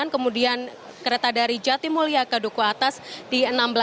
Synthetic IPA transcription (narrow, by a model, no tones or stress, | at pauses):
ankəmudian | kəɾet̪adaɾid͡ʒat̪imuliakadokuat̪asd̥iənambəla